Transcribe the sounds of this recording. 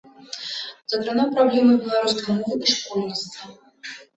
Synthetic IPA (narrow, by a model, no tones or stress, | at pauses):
zɐkɾanɔmpɾablʲɛmɨbʲɛlˠaɾuskɐmɔlˠʔiʂkɔlʲnʲist̪vɐ